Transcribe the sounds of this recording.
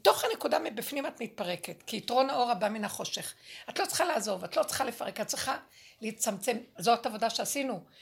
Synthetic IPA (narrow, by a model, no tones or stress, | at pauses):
to̞χanekudamibifnimatmit̚paʁe̞ketkiːtʁo̞nao̞ʁabaminaχo̞ʃeχatlo̞t͡sχalaːzo̞vatlo̞t͡sχalefaʁekat̚t͡sʁiχaleit͡samt͡se̞mzoatavodaʃeasinu